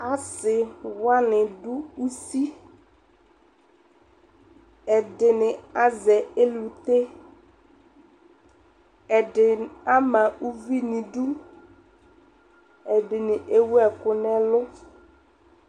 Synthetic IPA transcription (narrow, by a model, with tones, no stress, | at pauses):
a˦sɪ˨wa˦nɪ̃˨dʊ˦u˦si˦ | ɛ˨dɪ˨nɪ˨a˦zɛ˨e˦lu˨t̪e˦ | ɛ˨dɪ˨a˦mã˨u˦vi˦nɪ̃˨du˦ | ɛ˨dɪ˨nɪ˨ʔe˦wu˦ɛ˨kʊ˨nɛ˦lʊ˦